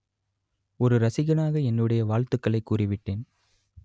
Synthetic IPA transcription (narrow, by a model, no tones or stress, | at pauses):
ɔɾɯɾɐsɪɣɐnaːɣɐɛnːɯɽɐjɐʋaːɭt̪ɯkːɐɭɐɪkːuːrɪʋɪʈːeːn